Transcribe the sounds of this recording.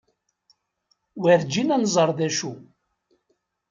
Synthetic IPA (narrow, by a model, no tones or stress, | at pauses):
wæɾd͡ʒinænzˤəɾˤðæʃu